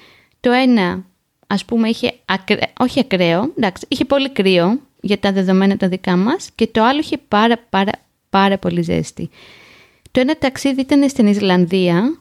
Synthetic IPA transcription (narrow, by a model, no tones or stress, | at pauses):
t̪o̞e̞nɐ | ɐspumeiçe̞̰ɐkɾo̞çiɐkɾe̞o̞d̪ɐksi̥içe̞po̞likɾio̞ | ʝɐt̪ɐðe̞ðo̞me̞nɐt̪ɐðikɐmɐsce̞t̪o̞ɐloiçe̞pɐɾɐpɐɾɐ̰ | pɐɾɐpo̞lizḛst̪ḭ | t̪o̞e̞nɐt̪ɐksiðiit̪ɐnest̪inizlɐnðiɐ